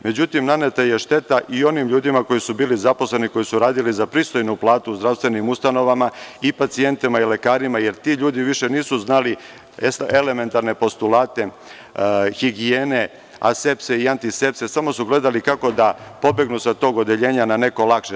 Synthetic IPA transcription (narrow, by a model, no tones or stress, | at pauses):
me̞d͡ʑut̪imnane̞t̪aje̞ʃt̪e̞t̪aʔio̞nimʎuːd̪imako̞jisubiːlizaposle̞niko̞jisuɾaːd̪ilizapɾiːst̪o̞jnuplˠaːt̪uːzd̪ɾafst̪ʋe̞nimust̪ano̞ʋamaipat̪sie̞nt̪imaile̞kaːɾimaje̞ɾt̪iʎuːd̪iʋiʃe̞niːsuznali | ele̞me̞nt̪aɾne̞po̞st̪ulaːt̪e̞ | xiɡieːne̞ | a̰sepse̞iant̪ise̞pse̞samo̞suɡle̞d̪alikako̞d̪apo̞be̞ɡnusat̪o̞ɡo̞d̪eʎe̞ːɲanane̞ko̞lˠakʃe